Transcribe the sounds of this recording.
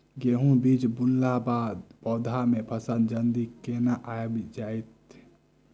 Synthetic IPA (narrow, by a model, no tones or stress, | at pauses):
ɡeɦũbid͡ʒbunlabad̪pɔːd̪ʱamepʰəsənd͡ʒənd̪ikenaʔajbd͡ʒajt̪